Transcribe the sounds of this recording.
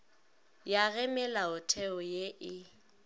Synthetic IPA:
jaɣɛmɪlaʊtʰɛɔjeʔɪ

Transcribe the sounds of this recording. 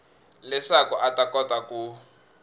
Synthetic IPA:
lɛʂakɔʔatakɔtaku

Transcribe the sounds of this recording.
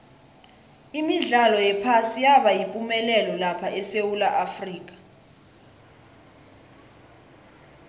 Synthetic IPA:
imiɮalɔjɛpʰasijaɓajipʼumɛlɛlɔlapʰaʔɛsewulaʔafriːk̬ʼḁ

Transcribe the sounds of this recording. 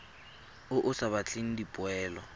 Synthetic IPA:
ʊʔʊsaβat͡ɬʰʼeŋ̩dipʼʊɛːlɔ

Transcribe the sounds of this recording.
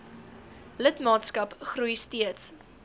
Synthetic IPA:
lətmɑːtskɐpχrujstiəts

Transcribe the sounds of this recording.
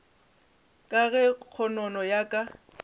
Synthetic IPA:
kʼaɣɛk͡xʰɔnɔnɔjakʼa

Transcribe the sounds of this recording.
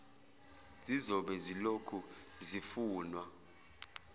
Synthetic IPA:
zizɔɓɛzilokʰuzifuːnwa

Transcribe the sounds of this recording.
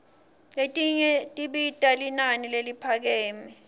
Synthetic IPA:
letʼiɲɛtʼiɓitʼalinanilelipʰak̬ɛːmɛ

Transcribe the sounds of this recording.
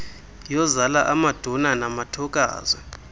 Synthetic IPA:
jɔzalaʔamad̥ʱɔnanamatʰɔk̬ʼa̰ːzwɛ

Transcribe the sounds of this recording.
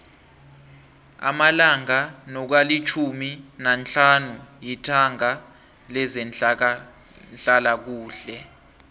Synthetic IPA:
a̰malaŋanɔk̬walit͡ʃʰuminant͡ɬʰʼanujitʰaŋa | lɛzɛ | nt͡ɬʼalak̬uːɬɛ

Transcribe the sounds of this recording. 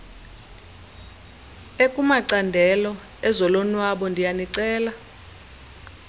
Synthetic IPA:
ekʼumaǀandʱɛlɔ | ɛzɔlɔnwaɓɔndʱijaniǀɛːla

